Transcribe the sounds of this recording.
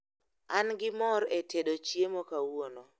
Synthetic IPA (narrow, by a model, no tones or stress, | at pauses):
anɡɪmɔɾetʰedot͡ʃjemokawono